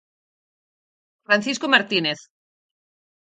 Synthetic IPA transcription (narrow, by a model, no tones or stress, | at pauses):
fɾanθiskomaɾt̪ineθ